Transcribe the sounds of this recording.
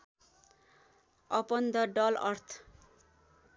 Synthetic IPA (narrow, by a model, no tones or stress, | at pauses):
ʌpʌnd̪ʌɖʌlʌɾt̪ʰ